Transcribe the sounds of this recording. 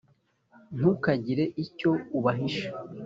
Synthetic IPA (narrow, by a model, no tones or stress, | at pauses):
n̥ukaɟiɾe̞ʔico̞uβaɦiʃe̥